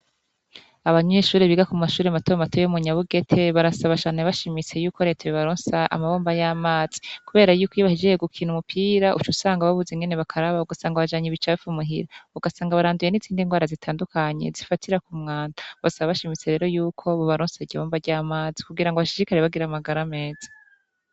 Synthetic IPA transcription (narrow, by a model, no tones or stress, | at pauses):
aβaɲeʃuːɾeβiɡakumaʃuːɾematojmatʰojumuɲaβuɡe̞tʰe̞βaɾasaβaʃaːneβaʃimit͡se̞juːkoɾe̞ːtʰaβoβaɾoːnsaʔa̰maβoːmbajaːmaːz̥i̥kuβe̞ːɾajuːkwiːβahid͡ʒeeɡukʰiːnumupʰiːɾaʔut͡ʃusaːŋɡaβaβuzeŋɡene̞βakʰaɾaβaβuɡasaːŋɡaβaʒaːɲiβit͡ʃafumuɦiɾauɡasaːŋɡaβaɾaːnduje̞niziːndiŋɡwaːɾazitʰaːndukʰaɲe̞̰zifatʰiɾakumŋaːndaβasaβaβaʃimit͡se̞ɾe̞ːɾo̞juːkʰo̞βoβaɾoːnsaiɟiβoːmbaɾɟaːmaːzikuɡiɾaŋɡoβaʃiɾikaɾeβaɡiɾamaɡaɾame̞ːzḁ